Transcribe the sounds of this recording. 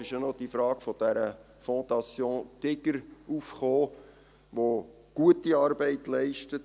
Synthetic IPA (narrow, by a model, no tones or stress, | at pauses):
ɪʃjanɔd̥ifɾɑːɡ̥fɔd̥æɾə | fɔ̃d̪ɑsjõːtɪɡ̥əɾufχoː | ʋo | ɡ̥uətːiɑɾbɛɪtlɛɪʃtət